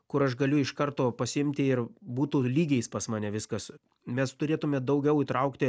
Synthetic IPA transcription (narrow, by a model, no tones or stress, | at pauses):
kʊɾɐʃɡɐlʲʊɪʃkɐrt̪oːpɐsʲɪɪmʲt̪ʲɪɪrbuːt̪ʊlʲiːɡʲɛɪspɐsmɑːnʲɛʋʲɪskɐs | mʲɛst̪ʊɾʲeːt̪ʊmʲɛd̪ɐʊɡʲɛʊiːt̪ɾɐʊkt̪ʲɪ